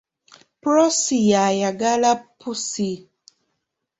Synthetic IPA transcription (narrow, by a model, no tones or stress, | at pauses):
pɾɔsijajaɡalapʰusi